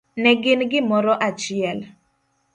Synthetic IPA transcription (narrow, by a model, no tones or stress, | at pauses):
nɛɡɪnɡɪmɔɾɔʔat͡ʃɪɛl